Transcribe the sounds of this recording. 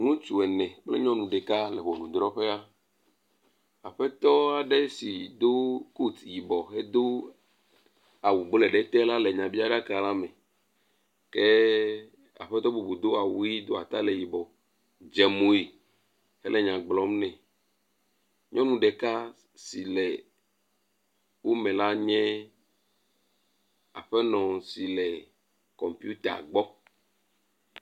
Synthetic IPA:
nũ˦t͡ʃu˨ɛ˨nɛ̃˨k͡plḛ˦ɲɔ̃˦nũ˨ɖɛ˨ka˦lɛ˨ɸɔ˨nũ˨d̪ɾɔ˦ɸe˦a˦ | a˨ɸɛ˦t̪ɔ˦a˨ɖe˦si˨d̪o˦ku˦t̪ji˨bɔ˨ɦe˦d̪o˦ | a˨wu˨bo˦le˨ɖe˦t̪ɛ˦la˦le˨ɲã˨bi˦a˦ɖa˦ka˨la˦mẽ˨ | ke˦ | a̰˨ɸɛ˦t̪ɔ˦bu˨bu˨d̪o˦a˨wu˦i˦d̪o˦a˨t̪a˦le˨ji˨bɔ˨ | d͡ʒɛ˨mo˨i˨ | hɛ˦lɛ˨ɲã˨ɡ͡blɔ˦mnɛ̃˨ | ɲɔ̃˦nũ˦ɖɛ˨ka˦ | si˨lɛ˨ | wo˦mɛ̃˨la˦ɲɛ̃˦ | a̰˨ɸɛ˦nɔ̃˨si˨lɛ˨ | kɔ˨mpju˦t̪a̰˨ɡ͡bɔ˦

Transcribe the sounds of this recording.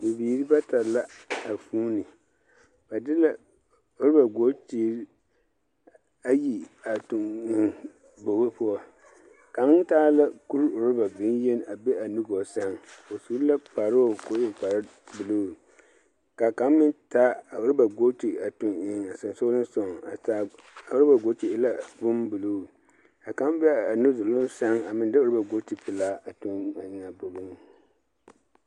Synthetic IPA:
bu˨biː˨ɾi˦ba˦ta˨la˦a˨fuː˦ni˨ | ba˨dɪ˦la˨ | o˨ɾɪ˦ba˨ɡo˦tiː˨ɾi˦ | a˦ji˨a˨tʊ˨ŋ˨ | bo˨ɣe˦pʊ˦ɔ˦˨ | ka˨˦taː˦la˦ku˦ɾo˨ɾɪ˦ba˨bɪ˨˦n˦je˦n˦a˨be˦a˨nu˦ɡo˨sa˦ŋ˨o˨suː˨˦ɾla˦k͡pa˨ɾo˦o˦˨ko˦e˨k͡pa˨ɾa˦bu˨loː˦˨ | ka˨ka˨˦m˦mɪ˦nta˦a˨ʊ˦ɾɪ˦ba˨ɡo˦ti˨a˨tu˦ŋɪ˦ŋa˨sɨ˨n˨so˦lɨ˦n˦so˨ŋa˨ta˦ | a˨ʊ˦ɾɪ˦ba˨ɡo˦t͡ʃi˨ɪ˦la˦bʊ˦mbu˨loː˦˨ | a˨ka˨˦m˦bɛ˦a˨nu˦zʊ˨lʊ˦n˦sa˦ŋa˨mɪ˨nda˦o˨˦ɾɪ˦ba˨ɡo˦ti˨pɪ˨laː˦a˨tu˦na˨ɲɪ˦ŋa˨bo˨bɨ˦ŋ˦

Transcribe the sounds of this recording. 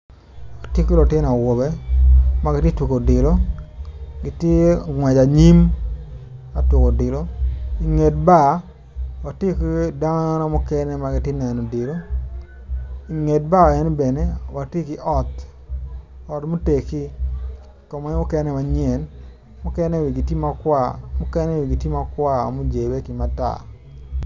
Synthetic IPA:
ktje˦ki˦lo˨tje˦na˨wo˨be˦ma˦ɡɪ˦tje˦twu˨ko˨dɪ˨lo˦ | ɡɪ˨tje˦ŋwɛ˨d͡ʒa˨ɲi˦m | a˦twʊ˨ko˨dɪ˨lo˦i˨ŋe˨t̚ba˦˨ | wa˨tje˦ki˦da˦nɔ˦mɔ˦kɛ˦nɛ˦ma˨ɡɪ˨tje˦nɛ˨nɔ˨dɪ˨lo˦ | i˨ŋe˨t̚ba˦˨ɛ˦nbɛ˨ne˦wa˨te˦kɪ˦ʔɔ˦˨t | ɔ˨tmo˦te˨ki˦ | kɔ˨mɔ˦mʊ˦kɛ˦nɛ˦ma˨ɲɛ˨n | mʊ˦kɛ˦nɛ˦wi˨ɡi˨tji˦ma˦kwa˦˨mʊ˦kɛ˦nɛ˦wi˨ɡi˨ti˦ma˦kwa̰˦˨mo˦d͡ʒe˨be˦ki˨ma˦ta̰˦˨

